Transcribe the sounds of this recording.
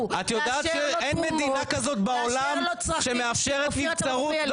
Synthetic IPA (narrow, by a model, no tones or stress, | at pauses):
at̪jotd̪aːtʃeenmed̪inakazo̞t̪baolamʃemeafʃeʁet̪it͡saʁu